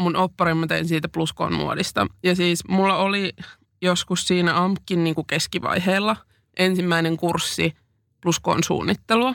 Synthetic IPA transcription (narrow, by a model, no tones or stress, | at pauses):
munopːɑrimːɑt̪einsiːt̪æplusko̰ːnmṵo̰dist̪ɑ̰jɑsiːsmulːɑoli | joskussiːnæɑmkːinniːŋkukeskiʋɑ̰jɦeːlːɑ | ʔensimːæineŋkursːi | plusko̰ːnsṵːnːit̪ːeluɑ